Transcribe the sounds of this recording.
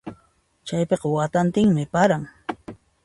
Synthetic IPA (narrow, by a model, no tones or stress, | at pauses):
t͡ʃajpeqɑwat̪ant̪ɪŋmɪpaɾaŋ